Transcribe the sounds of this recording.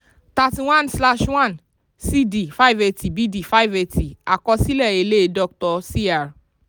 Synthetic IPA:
ta˧ti˧w̃ã˦˨nsla˦ʃwã˦˨n | si˦di˨fa˦i˨ve˧ti˨bi˦di˦˨fa˦i˨ve˧ti˨a˨kɔ˧si˦lɛ˦˨e˧le˦˧dɔ˧k̚tɔ˧si˦a˨ɾ

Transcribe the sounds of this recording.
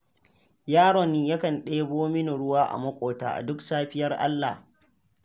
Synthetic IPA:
jaː˦ɽɔ˨nːiː˦ja˦kɐ˨nɗeː˦boː˦mɪ˦nu˨ɽʊ˦waː˦ʔa̰˨mɐ˦kʷʼoː˨ta̰ː˨ʔa̰˨dʊ˦ksaː˦ɸɪ˦jɐ˦rʔa̰˦lːa̰˨h

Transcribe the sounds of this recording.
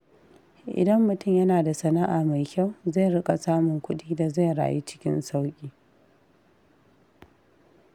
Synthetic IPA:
ʔɪ̰˨dɐ˦mːʊ˨tʊ˦˨mjɐ˦naː˨da˨sɐ˨na˦ʔaː˨ma˨jkʲa˦˨wza˦˨jɽɪ˦kʼa˨saː˦mʊ˨ŋkʷʊ˦ɗiː˦da˨za˦˨jɾa̰ː˨jḭ˦t͡ʃɪ̥˦kʲɪ̰˦nsa˦wkʲʼiː˨˦

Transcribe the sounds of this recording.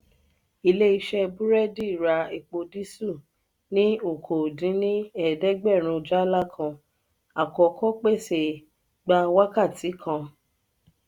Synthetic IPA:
i˧le˦i˧ʃɛ˧bũ˦ɾɛ˦di˦˨ɾa˧i˨k͡po˧di˦su˦˨ | nĩ˦o˦˨kʰo˨dĩ˨˦nĩ˦ɛ˦˨dɛ˦ɡ͡bɛ˦˨ɾ̃ũ˧d͡ʒa˦la˦˨kʰã˧ | a˨kɔ˧kʰɔ˦k͡pe˦˨se˨ | ɡ͡ba˧wa˦ka˦˨ti˨˦kʰã˧

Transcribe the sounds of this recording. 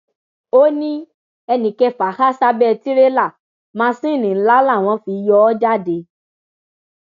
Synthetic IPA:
o˦nĩ˦ | ɛ˧nĩ˨kɛ˧fa˨˦xa˦sa˦bɛ˦˧ti˦ɾe˦la˦˨ | mãː˧˦˧sĩ˦˨nĩ˨n̩˦la˦la˦˨w̃ɔ̃˨˧˦fi˧jɔ˧˦d͡ʒa˦˨de˧

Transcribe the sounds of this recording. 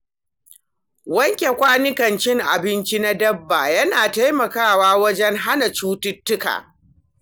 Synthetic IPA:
wɐ˦ŋkʲe˨kʷaː˦nɪ˦kɐ˨nt͡ʃɪ˦ŋʔa̰˨bɪ˦nt͡ʃi˦na˦dɐ˦bːaː˨jɐ˦naː˨ta˦jmɐ˨kaː˦˨waː˦wɐ˦d͡ʒɛ˦ŋɦa˦na˨t͡ʃuː˦tʊ˦tːʊ˦ka̰ː˨

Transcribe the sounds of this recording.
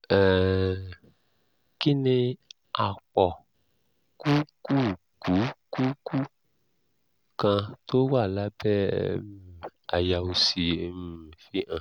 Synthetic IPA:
ɛ̃˨ | ki˦nĩ˧ | a˨k͡pɔ˨ | ku˦ku˦ | ku˨˦ku˦ku˦ | kã˧to˦wa˦˨la˦bɛ˦ | a˨ja˨u˨si˨e˨˦˨fi˦ã˨

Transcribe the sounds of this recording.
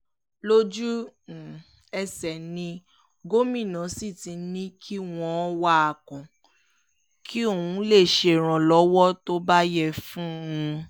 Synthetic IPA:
lo˦d͡ʒu˦˨ | ɛ˧sɛ˨nĩ˧ | ɡo˦mĩ˦˨nã˨˦si˦˨tĩ˨˧nĩ˦kʰi˦w̃ɔ̃˦wa˦a˨kɔ̃˨ | kʰi˦o˦˨wũ˨˦le˦˨ʃe˧˨ɾ̃ã˨lɔ˨˦wɔ˦to˦ba˦jɛ˦˨fũ˦ũ˧

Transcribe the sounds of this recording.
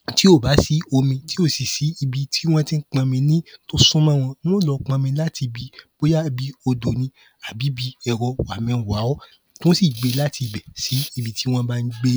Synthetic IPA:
ti˦o˦˨ba˨˦si˨˦o˧mĩ˧ti˦o˦˨si˨si˨˦i˧bi˧ti˦w̃ɔ̃˦tĩ˦k͡pã˧mĩ˧nĩ˦to˦sũ˦mã˦w̃ɔ̃˧nĩ˦w̃ɔ̃˦lɔ˨˧˦k͡pã˧mĩ˧˦la˦tʰi˧bi˨˦bo˦ja˦bi˨˦o˧do˨nĩ˧ | a˨bi˨˦bi˧˦ɛ˧ɾɔ˧wa˨mɛ̃˧˨wa˨˦ɔ˦ | tũ˦si˦˨ɡ͡be˨˧la˦ti˧˨bɛ˨si˨˦i˧bi˧ti˦w̃ɔ̃˦ba˦n̩˦ɡ͡be˦

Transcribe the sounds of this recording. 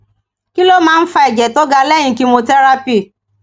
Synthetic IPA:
ki˦lo˦mãː˦n̩˦fa˦ɛ˨d͡ʒɛ˨tɔ˦ɡa˧lɛ˦ɲ̃ĩ˧ki˧mo˧tɛ˦ɾa˦pi˦˨

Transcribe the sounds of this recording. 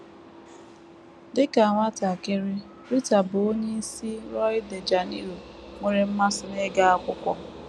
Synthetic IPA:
dɪ˦ka˨a˨ŋʷa˦ta˨kɪ˦ɾɪ˦ | ɾi˦ta˨bʊ˨o˦ɲe˦i˦si˦ɾɔ˦ɪ˦de˨d͡ʒa˨ni˦ɾo˨ | ŋʷe˦ɾe˦m̩˦ma˦sʊ˦ne˦ɡa˦a˦kʷʊ˦kʷɔ˦

